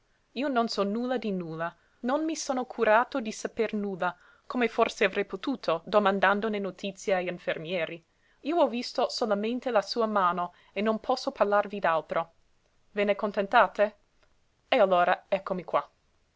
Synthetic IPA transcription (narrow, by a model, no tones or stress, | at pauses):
iːononsɔnuːlːad̪inuːla | nonmisoːnokʰuɾaːt̪od̪isapernuːlːa | kʰomeforseavɾɛjpot̪uːt̪ʰod̪omãnd̪and̪onenot̪ʰit̪sjeaʎiɱfermjɛːɾi | iːoɔvist̪osolamẽnt̪elasuːamaːno | enːonpʰɔsːoparlarvid̪alt̪ɾo | vɛːnekont̪ent̪aːt̪e | ealːoːɾaɛkːomikwa